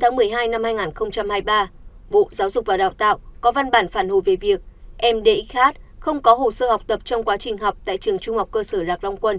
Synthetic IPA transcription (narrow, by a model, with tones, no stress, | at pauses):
t̪ʰaː˨˦ŋmɨ˨˩əjɦaː˧jna˧mhaː˧jŋaː˨˩nxə˧wŋ͡mt͡ɕa˧mhaː˧jɓaː˧ | ɓo̰˧˨zaː˨˦wzʊ˨˩k͡p̚vaː˨˩ɗa̰ː˧˨wt̪a̰ː˧˨wʔkɔ˨˦va˧nɓaː˧˩nfaː˧˩nho˨˩jve˨˩vi˨˩ək̚ʔɛ˧mɗe˧ʔi˦˥k̚xhaː˦˥t̚xə˧wŋ͡mkɔ˨˦ɦo̰˧˨˩səː˧ha˨˩k͡p̚t̪ə˨˩p̚t͡ɕɔ˧wŋ͡mkwaː˨˦t͡ɕï˨˩ŋ̟ɦɔ˨˩wk͡p̚t̪a̰ː˧˨jt͡ɕɨ˨˩əŋt͡ɕʊ˧ŋ͡mha˨˩wk͡p̚kəː˧səː˧˩laː˨˩k̚la˧wŋ͡mkwə˧n